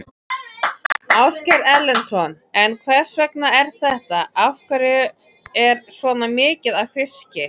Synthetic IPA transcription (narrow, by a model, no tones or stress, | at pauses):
awscɛɾɛlːɛnsɔn | ɛnkʰvɛr̥svɛknaɛɾ̥θɛht̪aafkaɾʏ | ɛɾsvɔːnamɪːcɪðaðfɪscɪ